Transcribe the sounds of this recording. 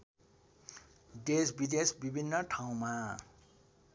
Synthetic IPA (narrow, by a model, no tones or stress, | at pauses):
desbid̪esbibʱinːʌʈʰaw̃ma